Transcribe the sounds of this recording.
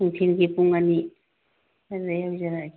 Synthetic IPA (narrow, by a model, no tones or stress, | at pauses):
uŋtʰinɡipuŋani | aɾdajawzaɾa